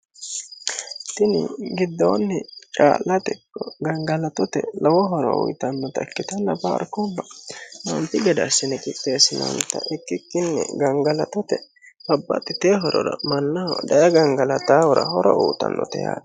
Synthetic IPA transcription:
t̪ɪnɪ̰ɡɪd̪ːoːnːɛt͡ʃʼa̰ːlːɐt̪ɛkːɔɡɐŋɡɐlɐt̪ɔt̪ɛlɔwɔɦɔɾɔ̰ʊ̰jt̪ɐnːɔt̪ɐɛkːɪt̪ɐnːɐbɐ̰ːɾkobːɐmɐmp̪ɪɡɛd̪ɐːsːɪnɛkʼɪt̪ʼːeːsɪnɐ̰wnt̪ɐ̰ʔɪkːɪkːɪnːɛ̰ɡɐŋɡɐlɐt̪ɔt̪ɛ | bɐbːɐt̪ʼːɪt̪eːɦɔɾɔɾɐ̰mɐnːɐhɔd̪ɐjɐɡɐŋɡɐlɐt̪aːhɔɾɐ̰hɔɾɔʔuːt̪ɐ̰nːɔ̰t̪ɛja̰ːd̪ɐ

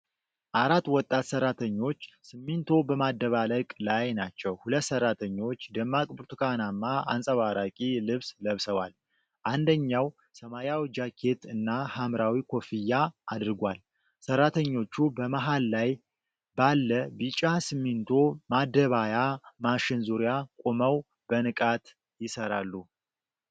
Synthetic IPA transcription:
ʔaɾat̪ːwɔt̪ʼːat̪səɾat̪ʰəɲːo̞t͡ʃːsɨmːint̪ʰo̞bəmad̪ːəβaləkʼlajnat͡ʃːɛwhulət̪ːsərːat̪ʰəɲːo̞t͡ʃːd̪əmːakʼbɨɾt̪ʰukʰanamːaa̰nsʼəβaɾakʼilɨβsləβsəwal | ʔand̪əɲːaw | səmajawid͡ʒakʰːe̞t̪ʰɨnːahamɾawikʰo̞fijːaʔːd̪ɨɾɨɡʷal | sərːat̪ʰəɲːo̞t͡ʃːubəmaɦalːaj | balːəbit͡ʃʼasɨmːint̪ʰo̞mad̪əβajamaʃɪnzuɾjakʼoməw | b̥ənɨkʼat̪ | jɪsəɾalːu

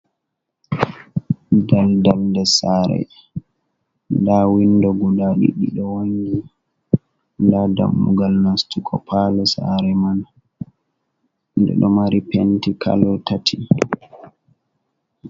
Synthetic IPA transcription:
daldaldɛsaɾɛ̰ | ndawindɔɡudaɗḭɗiɗɔwoŋɡi | ndada̰mːṵɡalnastukʰɔpʰalɛsa̰ɾɛman | dɛ̰ɗɔmaɾipɛntikʰa̰lɔtatʰi

